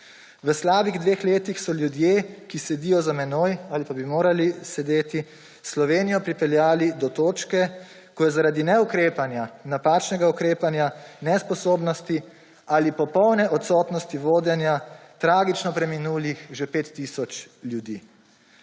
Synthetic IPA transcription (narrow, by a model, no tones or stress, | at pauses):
ʋəslaːbiɣd̪ʋeːxleːt̪ixsɔljud̪jeːkisɛd̪ijɔzamɛnoːjaːlipabimoːɾalisɛd̪eːt̪i | slɔʋeːnijɔpɾipɛljaːlid̪ɔt̪oːt͡ʃkɛ | kɔjɛzaɾaːd̪inɛukɾeːpanjanapaːt͡ʃnɛɡaukɾeːpanjanɛspɔsoːbnɔst̪i | alipɔpɔwnɛʔɔt̪sɔːt̪nɔst̪iʋoːd̪jɛnjat̪ɾaːɡit͡ʃnɔpɾɛminuːlixʒepeːt̪ːisɔt͡ʃljud̪iː